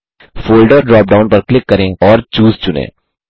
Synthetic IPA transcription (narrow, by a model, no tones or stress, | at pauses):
foːlɖɔːɾɖɾɔːp̚ɖaːʊ̃npɐɾklɪkːɐɾẽɔːɾt͡ʃuːzt͡ʃʊnḛ̃ː